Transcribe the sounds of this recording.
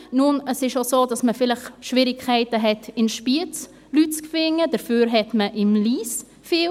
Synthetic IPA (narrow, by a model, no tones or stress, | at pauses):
nunəsɪʃosoːdɑsməfɪləχʃʋɪɾɪkʰχɛɪtəɦɛtɪnʃpiət͡s | lyt̚t͡skfɪŋːədəɾfyːɾɦɛtməʔɪmliːs | fi